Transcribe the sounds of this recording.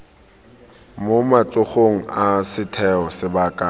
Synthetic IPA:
momat͡sʼʊχoŋ̩asɪtʰɛɔsɪbaːkʼa

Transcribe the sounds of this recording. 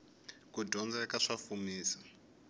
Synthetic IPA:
kudʱɔnd͡zakaʂafumiːsḁ

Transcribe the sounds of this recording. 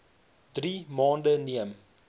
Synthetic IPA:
d̥rimɑːndəniəm

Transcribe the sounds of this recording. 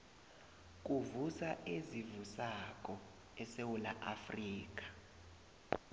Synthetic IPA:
k̬ʼuvusaʔezivusakʼɔ | ɛsewula̰ʔafriːk̬ʼḁ

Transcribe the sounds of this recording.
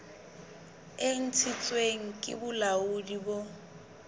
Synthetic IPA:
eŋ̩t͡sʰɪt͡sʼweŋ̩kʼɪ̰bʊlaʊdibo

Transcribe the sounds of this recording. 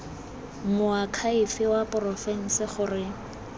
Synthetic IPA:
mʊakʰaɪfɪwapʼʊrɔfɛŋ̩sɪχʊrɪ

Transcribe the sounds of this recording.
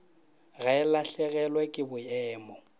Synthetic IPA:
ɣaɪlaɬɛɣɛlwɛkʼɪbʊɛːmɔ

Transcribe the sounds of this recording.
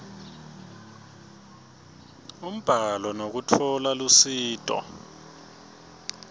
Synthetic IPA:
um̩b̥ʱalɔnok̬utʰɔlalusiːtʼɔ̰

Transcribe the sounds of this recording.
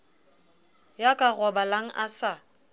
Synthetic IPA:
jakʼaɣɔbalaŋ̩ʔasa

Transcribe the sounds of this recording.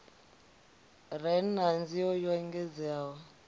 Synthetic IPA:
rɛnnand͡ziɔjɔŋɡɛd͡zawɔ

